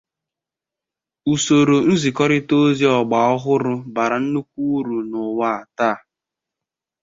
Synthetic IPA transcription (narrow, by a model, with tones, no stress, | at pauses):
u˨so˨ɾo˨˦n̩˦zi˨kɔ˦ɾɪ˦to˦zi˦ɔ˨ɡ͡ba˨ɔ˦ɦʊ˦ɾʊ˦ba˨ɾa˨n̩˦nu˦kʷu˦ɾu˨nʊ˨wa˦a˨taː˦˨